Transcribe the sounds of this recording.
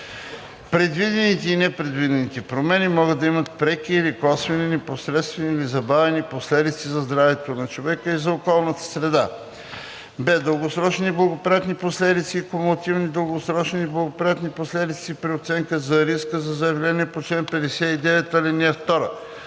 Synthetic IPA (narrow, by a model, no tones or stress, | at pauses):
pɾɛd̪vid̪ɛnit̪ɛinɛpɾɛd̪vid̪ɛnit̪ɛpɾomɛnimɔɡəd̪ɐimət̪̚pɾɛkiːɾikɔsvɛniniposɾɛt̪st̪vɛnilizɐbavɛniposlɛd̪it̪sizɐzd̪ɾavɛt̪onɐt͡ʃovɛkəizɐokɔlˠnət̪ə̥sɾɛd̪a | bɛd̪əlˠɡosɾɔt͡ʃniblˠɐɡopɾʲijat̪niposlɛd̪it̪siːkomot̪ivnid̪əlˠɡosɾɔt͡ʃniiblˠɐɡopɾʲijat̪niposlɛd̪it̪sipɾiot̪sɛŋkəzɐɾiskəzɐzəjɛvlʲɛnʲiɛpot͡ʃlɛnpɛd̪ɛsɛid̪ɛvɛt̪ɐlɛniɛft̪ɔɾə